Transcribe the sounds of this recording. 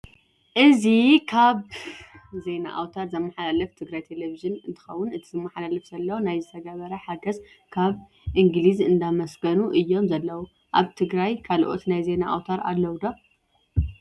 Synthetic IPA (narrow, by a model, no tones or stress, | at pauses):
ʔɨzikʰaβ | ze̞na̰ʔa̰wt̪ʰaɾzɐmːɐħalalɐft̪ʰɨɡɾajt̪ʰeleviʒɨnɨnt̪ʰɨ̥xɐwːʊnɨt̪ʰizɨmːɐħalalɐfz̥ɐlːɐwnajzɨt̪ʰɐɡaβɐɾɐħaɡɐz | kʰaβ | ʔɨŋɡlizɨnd̪amɐsɡɐnuʔɨjːo̞mzɐlːɐwu | ʔaβt̪ʰɨɡɾajkʰalʔo̞̰t̪najze̞naʔa̰wt̪ʰaɾa̰lːɐwd̪o